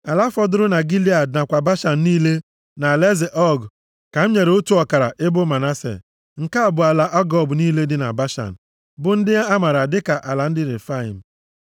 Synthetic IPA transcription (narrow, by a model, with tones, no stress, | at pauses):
a˨la˦fɔ˦dʊ˦ɾʊ˦na˨ɡi˦li˦a˨dna˨kʷa˨ba˦ʃa˨n̩˨niː˦le˦ | na˨le˦ze˨ʔɔ˦ɡ | ka˨m̩˦ɲe˨ɾe˨o˦tu˦ɔ˨ka˨ɾa̰˨ʔɪ˦bʊ˦ma˨na˦sḛ˨ | ŋ̩˨ka˦˨bʊ˨a˨la˨ʔa˦ɡɔ˦bniː˦le˦dɪ˦na̰˨ba˦ʃa̰˨n̩˨ | bʊ˨n̩˦dɪ˦ja˦a˦ma˨ɾa˨dɪ˦ka˨ʔa˨la˨n̩˦dɪ˦ɾe˨fa˦ḭ˨m̩˨